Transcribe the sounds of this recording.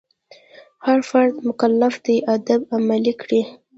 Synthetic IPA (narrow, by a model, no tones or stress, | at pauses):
haɾfaɾd̪mʊkalːafd̪iʔad̪abamalikɽi